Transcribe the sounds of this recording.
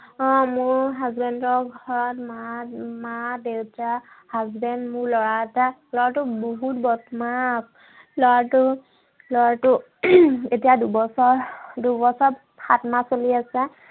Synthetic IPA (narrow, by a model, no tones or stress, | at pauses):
ɔ̃mʊɹɦazbɛndɔɡʱɔɹɔtmamadewtahazbɛndmʊɹlɔɹaɛtalɔɹatʊboɦutbɔtmap̚ | lɔɹatʊ | lɔɹatʊ | etijadubɔsɔɹdubɔsɔp | xatmasoliasɛ